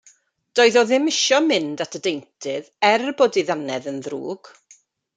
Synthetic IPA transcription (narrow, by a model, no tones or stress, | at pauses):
d̥ɔːɨðɔðɪmɪʃɔmɪndatʰədejntʰɪðɛrboːdiðanɛðənðrṵːɡ̥